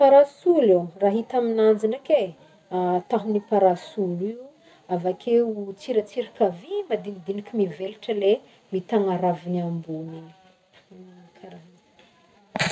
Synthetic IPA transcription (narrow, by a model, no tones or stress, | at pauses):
paɾasuleraɦit̪aminand͡ʒinake | at̪aɦunipaɾasuli | avakʰeut͡siɾat͡siɾikavimad̪inid̪inikʲimiveliʈ͡ʂəle | mit̪aŋaɾaviniambuni | kʰaɾa